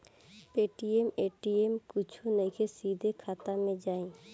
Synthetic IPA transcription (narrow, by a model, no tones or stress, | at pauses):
peːʈiemeːʈiemkʊt͡ʃʰunəĩkʰesid̪ʱekʰaːt̪amẽd͡ʒaːĩ